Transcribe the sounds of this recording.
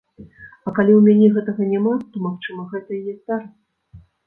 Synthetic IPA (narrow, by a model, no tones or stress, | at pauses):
ɐkalʲiwmʲanʲɛɣɛt̪ɐɣɐnʲamat̪ɔmaxt͡ʂɨmɐɣɛt̪ɐjɛsʲt̪aɾɐ